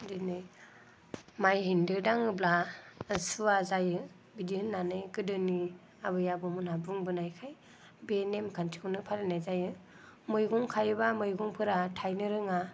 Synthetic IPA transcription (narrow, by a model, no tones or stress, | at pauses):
dɯnɯj | majhindɯdaŋɯbla | suazajɯ | bidiɯnːanɯjkɯdɯni | abɯjabɔmunhabuŋbɯnajkʰaj | benemkʰantʰi̥kʰunɯpʰalenajzajɯ | mɯjɡɔŋkʰajɯbamɯjɡɔŋpʰɯɾatʰajnɯɾɯŋa